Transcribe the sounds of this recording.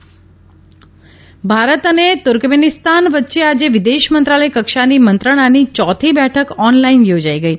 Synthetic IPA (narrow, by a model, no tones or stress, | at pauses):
bʱaɾət̪ənet̪ʊɾkmenist̪anʋət̪ːʃead͡ʒeʋɪd̪eʃmənt̪ɾaləjkəkʃanimənt̪ɾəɽ̃anit͡ʃɔt̪ʰibɛʈʰəkɔnlainjod͡ʒaiɡəi